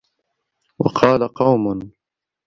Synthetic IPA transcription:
wɑ̰qʰɑːlaqɑwmʊn

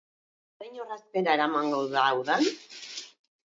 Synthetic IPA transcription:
sajɲoraspeɾaeɾamaŋɡowðaːwðan

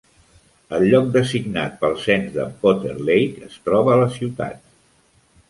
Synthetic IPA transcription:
əlʎːɔk̚d̪əsiɡnat̪̚pəlˠsɛnzd̪ə̰pot̪ḛrlejkəst̪ɾɔβəːləsiwt̪a̰t̪̚

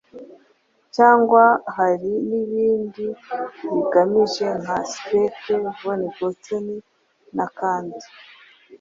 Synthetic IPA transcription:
caːŋɡwaɦaɾiniβiːndiβiɡamiʒe̞ŋaspetevoniɡotoni | nakaːndi

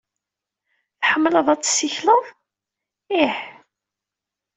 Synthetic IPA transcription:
θħəmːləðˤæt͡sːsːiçləðˤ | iħ

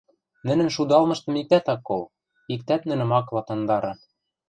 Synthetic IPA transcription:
nɘ̆nɘ̆nʃud̪ɑlˠmɤ̆ʃt̪ɤ̆mik̚t̪æt̪ɑkːol | ik̚t̪æt̪nɘ̆nɘ̆mɑklɑt̪ɤ̆nd̪ɑɾɤ̆

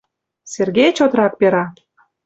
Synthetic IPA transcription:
serɣet͡ɕot̪rɑk̚peɾɑ

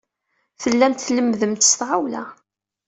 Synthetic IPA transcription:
θəlːæmt̪θləmːðəmt̪əst̪ʕawlæ̰

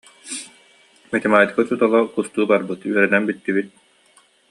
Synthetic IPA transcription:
mɛt̪ɛmaːjt̪kɯt͡ɕut̪ɔlˠakust̪uːbaɾbɯt̪yœɾɛnɛnbit̪ːibit̪̚

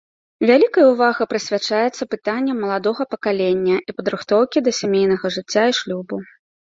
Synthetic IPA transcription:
vʲalʲikɐjɐwvaɣɐpɾɐsʲvʲat͡ʂajɛt̪sːɐpɨt̪anʲːɐmːɐlˠad̪ɔɣɐpɐkalʲenʲːɐʔipɐd̪ɾɨxt̪ɔwkʲid̪ɐsʲamʲejnɐɣɐʐɨt͡sʲːaiʂlʲubu

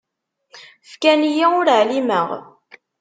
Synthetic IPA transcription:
fkænjæʊɾʕliməʁ

